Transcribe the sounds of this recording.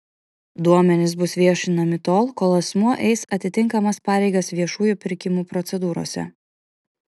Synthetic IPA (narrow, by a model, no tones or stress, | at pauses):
d̪uɔmʲɛnʲɪsbʊsʋʲiɛʃʲɪnɐmʲɪt̪oːlˠkoːlˠɐsmuɔʔɛɪsɐt̪ʲɪt̪ʲɪŋˑkɐmɐspɑːɾʲɛɪɡɐsʋʲiɛʃuːjʊpʲɪɾʲkʲɪmuːpɾɔt̪sʲɛd̪uːɾo̰ːsʲɛ̰